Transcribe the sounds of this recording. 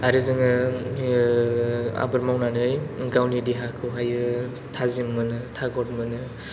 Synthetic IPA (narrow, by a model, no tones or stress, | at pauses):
aɾɯzɯŋɯ | a̰bɯɾmawnanɯjɡawnidiɦakʰɯwɦajɯ | tʰazimːɯnɯtʰaɡɔt̚mɯnɯ